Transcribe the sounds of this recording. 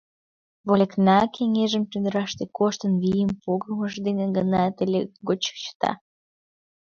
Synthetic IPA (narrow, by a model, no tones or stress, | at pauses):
βolʲeknɑkʰeŋeʒəmt̪yd̪əɾɑʃt̪ekoʃt̪ənβijəmpoɣəməʒd̪eneɡənɑt̪elʲeɡot͡ɕə̥kt͡ɕə̥t̪ɑ̰